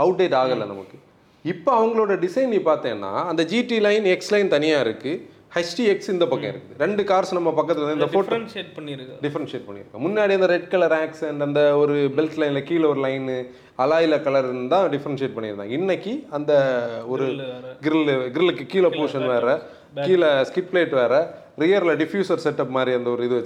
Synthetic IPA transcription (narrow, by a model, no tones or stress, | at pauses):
ɐʊʈ̚ɖeːʈaːɣɐlːɐnɐ̰mɐ̰kːɯ | ɪpːoɐʋɐŋɡɐɭoːɽɐɖɪsɐɪnːiːpaːɾt̪ẽːɐnːa̰ːɐnd̪ɐd͡ʒiːʈilɐɪnɛkslɐɪnt̪ɐnɪjaːɪɾɯkːɯ | hɐsʈiɛksɪnd̪ɐpɐkːɐ̃ɪ̰ɾɯkːɯðɯɾɛɳɖɯkaːɾsnɐmːɐpɐkːɐt̪ːɪlɐnɐɪnd̪ɐfoːpɐɖɪfɐɾɐnseːʈ̚pɐɳːɪ̰ɾɯkːɐ̰̃mʊnːaːɽiɐnd̪ɐɾɛɖ̚kɐɭɐɾãːksɛɳɖɐnd̪ɐɔɾɯbɛlt̪lɐɪnlɐkiːlɐɔɾɯlɐɪn | ɐlaːjɪlɐkɐlɐɾɪnd̪d̪ãːɖɪfɐɾɐnseːʈ̚pɐɳːɪɾɯnã̰ːɡɐɪnːɐkːiɐnd̪ɐɔɾɯɡɪɾɪlɡɪɾɪlɯkːɯkiːlɐpoːʂɐnʋeːɾɐ | kiːlɐskɪʈ̚ːpleːʈːʋeːɾɐ | ɾɪjɐɾlɐɖɪfjuːsɐɾsɛʈːɐpːmaːd̪ɾiɐnd̪ɐɔɾɯɪðɯʋɐ